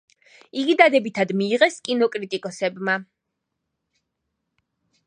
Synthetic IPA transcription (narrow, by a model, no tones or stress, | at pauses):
iɡid̪ad̪ɛbit̪ʰad̪miːʁɛskʼinɔkʼɾit̪ʼikʼɔsɛbma